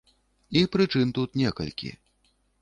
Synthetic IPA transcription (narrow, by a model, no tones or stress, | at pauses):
ipɾɨt͡ʂɨnt̪ut̪nʲɛkɐ̰lʲkʲḭ